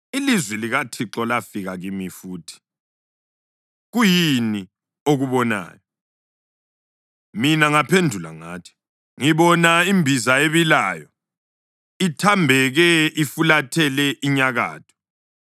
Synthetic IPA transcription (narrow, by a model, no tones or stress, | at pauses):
ilizwɛliɣatʰiǁɔlafiɣaɣimifuːtʰi̥ | ɣujini | oɣuβɔna̰ːjɔ | minaŋapʰendʱula̰ŋa̰ːtʰi̥ | ŋiβɔnaimbʱizaeβilaːjɔ | itʰambʱɛɣɛʔifulatʰɛlɛʔiɲaɣa̰ːtʰɔ̥